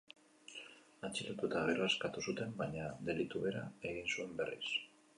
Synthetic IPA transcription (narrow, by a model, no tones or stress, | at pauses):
at͡ʃilat̪ut̪aɣeraskat̪usut̪e̞mbaɲaðe̞lit̪uβe̞ɾa̰e̞ɣ̞insue̞mbe̞rḭs